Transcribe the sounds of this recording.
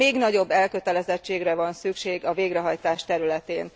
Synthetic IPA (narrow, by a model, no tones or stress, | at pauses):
eːɡnɒɟo̞bːɛlkøt̪ɛlɛzɛt͡ʃːeːɡrɛvɒnsykʃeːɡɒveːɡrɛɦɒjt̪aːʃt̪ɛɾylɛt̪eːn